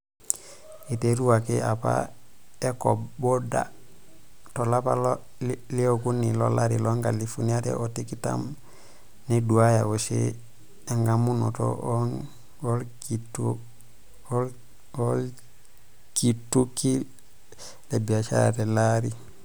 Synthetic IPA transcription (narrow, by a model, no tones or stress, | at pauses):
iteɾuwakeʔapa̰ | ekoboda̰ | tolapal | liokunːilo̰laɾiloŋɡalifuniatḛʔotikita̰m | neduajawosḛ | eŋɡamuno̰to̰ | olkitu | ol | kitːuki | lebiaʃa̰ɾa̰telaɾi